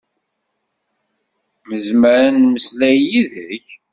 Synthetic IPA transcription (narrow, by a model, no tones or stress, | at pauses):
məzməɾanməslæjiðəç